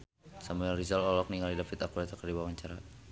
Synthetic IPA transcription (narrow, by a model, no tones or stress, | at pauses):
samuɛlrizalɔlɔk̚niŋalidafit̪akuat̪akərdibawaɲt͡ʃaɾa